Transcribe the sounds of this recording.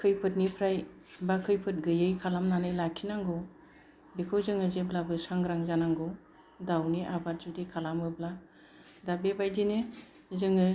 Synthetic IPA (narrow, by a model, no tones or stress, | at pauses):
kʰɯjpʰɯt̚nipʰɾaj | bakʰɯjpʰɯt̚ɡɯjɯjkʰalamnanɯjlakʰinaŋɡɔ | bikʰɯwzɯŋɯzeblabɯsaŋɡɾaŋzanaŋɡɔ | dawniʔabat̚zudikʰalamɯbla | dabebajdine | zɯŋɯ